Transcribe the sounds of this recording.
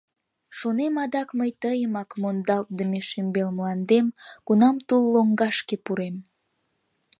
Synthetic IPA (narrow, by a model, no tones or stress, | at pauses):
ʃonemɑd̪ɑkməjt̪əjəmɑkmond̪ɑlt̪̚d̪əmeʃymbelmlɑnd̪emkunɑmt̪ulːoŋɡɑʃkepuɾem